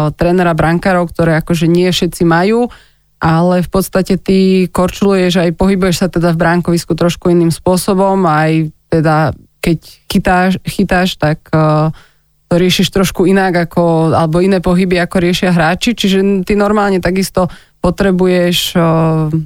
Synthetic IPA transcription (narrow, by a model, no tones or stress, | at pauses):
t̪ɾɛːnɛɾabɾaŋkaːɾɔʊkt̪ɔɾɛːakɔʒɛɲɪɛfʃɛt̪t͡simajuː | ʔalɛfpɔt̪st̪acɛt̪ikɔɾt͡ʃulujɛʒajpɔɦibujɛʃsat̪ɛd̪avbɾaŋkɔʋiskut̪ɾɔʃkuiniːmspʊɔsɔbɔmajt̪ɛd̪akɛcxit̪aːʃxit̪aːʃt̪ak | t̪ɔɾɪɛʃiʃt̪ɾɔʃkuinaɡakʰɔa̰lɛbɔinɛːpɔɦibiakɔɾɪɛʃɪaɦɾaːt͡ʃit͡ʃiʒɛt̪inɔɾmaːlɲɛt̪aɡist̪ɔ | pɔt̪ɾɛbujɛʃ